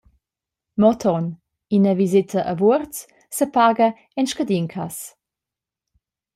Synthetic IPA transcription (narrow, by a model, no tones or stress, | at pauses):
mɔt̪ʰɔn | inəvizɪtʰəʔəvurt͡s | səpaːɡə | ɛnʃkədiŋkʰas